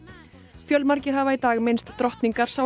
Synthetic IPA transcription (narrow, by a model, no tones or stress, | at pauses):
fjœlmaɾcɪɾ̥ɦavait̪aːɣmenst̪ːɾɔht̪niŋkaɾ̥sa